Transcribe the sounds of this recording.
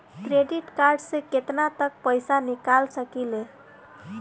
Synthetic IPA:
kɾeɖiʈkaɾɖsẽket̪nat̪ək̚pəjsanikalsəkile

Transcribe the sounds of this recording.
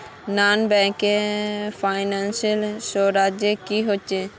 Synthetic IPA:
nanbɛ̃kepʰaɪnansiəlʃoɾad͡ʒjekiɦot͡ʃʰe

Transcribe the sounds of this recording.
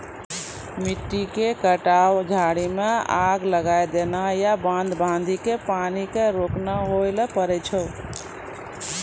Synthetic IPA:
miʈːikekəʈawd͡ʒʱaɽimeaɡləɡajd̪enajabãnd̪bãnd̪ʱikepanikeɾoknaɦojləpəɾɛt͡ʃʰəw

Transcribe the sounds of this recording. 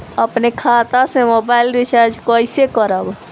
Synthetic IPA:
əpnekʰaːt̪asemoːbaːɪlɾɪsəɾd͡ʒkoːɪsekəɾəb

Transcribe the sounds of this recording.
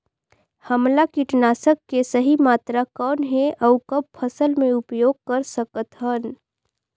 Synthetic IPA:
həmlakiʈnaːsəkːesəɦimaːt̪ɾakɔːnɦeʔɐʊkɐb̚pʰəsəlmẽʊpjoːɡ̚kɐɾsəkət̪ɦən

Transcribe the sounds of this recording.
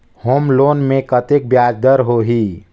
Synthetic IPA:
hoːmloːnmẽkət̪ek̚bjaːd͡ʒd̪əɾɦoɦi

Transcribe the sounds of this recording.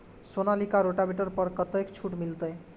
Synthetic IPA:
sonalikaɾoʈabeʈʌɾpʌɾkʌt̪əjkt͡ʃʰuʈmilt̪ʌj

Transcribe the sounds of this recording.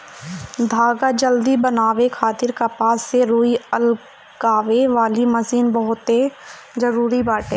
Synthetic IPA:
d̪ʱaːɡad͡ʒəld̪ibɐnaːʋekʰaːt̪ɪɾkapaːsːeɾuːiəl | kaːʋeʋaːlimɐsiːnbɐɦʊt̪e | zɐɾuːɾibaːʈeː

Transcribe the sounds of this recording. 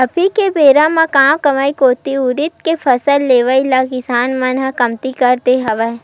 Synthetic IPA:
ɐpʰikebeːɾãmãkãːmkɐʋaːikoːt̪iʊɾɪt̪̚kepʰɐsəlːeːʋailakɪsaːnmanãkɐmt̪ikɐɾt̪eɦɐʋa

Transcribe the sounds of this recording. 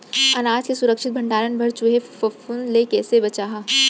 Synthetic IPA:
ɐnaːd͡ʒkesʊɾəkʃɪt̪̚bʱɐ̃ɳɖaːɾənbʱɐɾt͡ʃʊɦefɐfunlekɛːsebɐt͡ʃaːɦa

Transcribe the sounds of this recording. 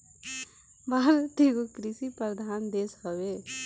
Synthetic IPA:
baːɾt̪eɡokɾɪsipɾəɾd̪ʱaːnd̪eːsɦəʋeː

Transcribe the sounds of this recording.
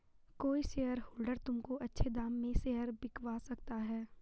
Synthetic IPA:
koːiseɦəɾɦuːlɖəɾt̪ʊmkoʔɐtːʃʰed̪aːmːẽseɦəɾbɪkʋasɐkt̪aɦɛː

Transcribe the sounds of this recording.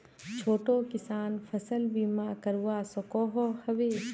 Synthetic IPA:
t͡ʃʰoːʈoːkɪsaːnfʰɐsəlbiːmaːkɐɾuwaːsɔkɔːɦɔhɐʋeː

